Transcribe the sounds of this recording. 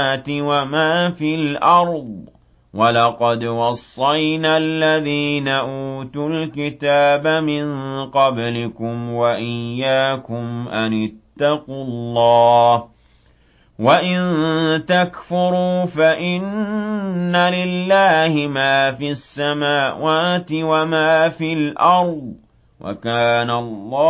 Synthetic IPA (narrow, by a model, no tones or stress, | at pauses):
t̪ɪwamaːfilʔɑɾˤd̪ˤ | wʔalɑqɑd̪wɑsˤːɑjnaːlːaðiːnaʔuːt̪ʊlkɪt̪aːbamɪnqɑblɪkʊmwaʔɪjːaːkʊmʔanɪt̪ːɑqʊllːɑːh | waʔɪnt̪akfʊɾuːfaʔɪnː | alɪlːaːhɪmaːfiasːamaːwaːt̪ɪwamaːfilʔɑɾˤd̪ˤ | wʔa̰kaːnalˤːɑː